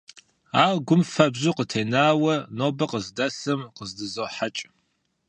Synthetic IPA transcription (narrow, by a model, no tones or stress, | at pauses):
aːʁɡʷʊmfɐbzuqətʰejnaːwɐnoːbɐqəzdɐsɨmqəzdɨzoħat͡ʃʼ